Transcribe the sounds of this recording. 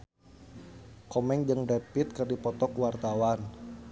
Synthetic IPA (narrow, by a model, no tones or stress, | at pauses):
kɔmɛŋd͡ʒəŋdɛpit̪̚kərdipɔt̪ɔkwart̪awan